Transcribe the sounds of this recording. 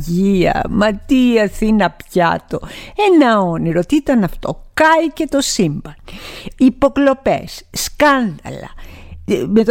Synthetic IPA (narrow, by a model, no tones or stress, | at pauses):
ʝiɐ̰mɐt̪iɐθinɐpçɐ̰t̪o̞enɐoniɾot̪iit̪ɐnɐft̪o̰kɐjce̞t̪o̞simbɐnipo̞klo̞pḛsːkɐnðɐ̰lɐ̰ | met̪